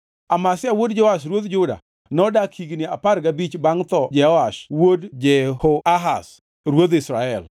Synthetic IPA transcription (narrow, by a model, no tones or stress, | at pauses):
amasɪawodd͡ʒɛwaʃ̬ɾwod̪d͡ʒʊda̰ | nɔdakʰiɡnɪapaɾɡabit͡ʃbaŋt̪ɔd͡ʒɛɔaʃwodd͡ʒɛhoaɦa̰s | ɾwod̪ɪsɾaɛl